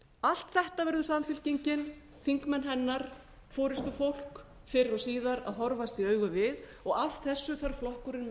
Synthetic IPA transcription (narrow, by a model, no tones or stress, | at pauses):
al̥t̪θɛht̪avɛɾðʏsamfɪl̥ciɲcɪn | θiŋkmɛnɦɛnːaɾ̥ | fɔːɾɪst̪ʏfowl̥k | fɪɾɪɾɔsiːðaɾa̰ðɦɔɾvast̪iœːɥɣʏvɪð | ɔɣavθɛsːʏθaɾ̥flɔhkʏɾɪn